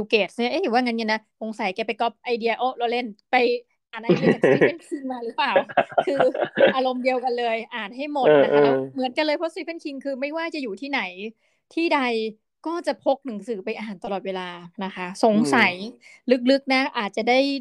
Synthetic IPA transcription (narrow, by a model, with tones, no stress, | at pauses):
uː˧keː˨˩t̪̚ɯ˥˩˨ʔe˧˦˥iː˨˩˦waː˥˩ŋa˦˥nɲe˧˩nːa˦˥so˨˦ŋsa˩˦jkɛː˧pa˧jkɔ˦˥p̚ʔa˧jdi˧ɐʔo˦˥˩lo˧le˥˩npa˧j | ʔʔaː˨˩nʔa˧˨˧fe˥˩nkʰi˧ŋmaː˧ɾɯː˩˦˥paː˨˩wkʰɯː˧ʔaː˧ɾo˧mdi˧əwka˧nlɤː˧jʔaː˨˩n̚ɦa˥˩jmo˨˩t̪̚ːkʔaː˦˧˩mɯ˩˦ənka˧nlɤː˧jpʰɾɔ˦˥si˧˦˥pʰe˥˩nkʰi˧ŋkʰɯː˧ma˥˩jwaː˥˩t͡ɕa˨˩juː˨˩t̪ʰiː˥˩na˩˦j | t̪ʰiː˥˩da˧j | kɔː˥˩t͡ɕa˨˩pʰo˦˥k̚nɯ˩˦ŋsɯː˩˦pa˧jʔaː˧ɦaː˨˩nt̪a˧lɔː˨˩t̪̚weː˧laː˧na˦˥kʰa˦˥so˨˩˦ŋsa˩˦j | lɯ˦˥k̚lɯ˦˥k̚na˦˥ʔaː˨˩t̪̚t͡ɕa˨˩daː˥˩j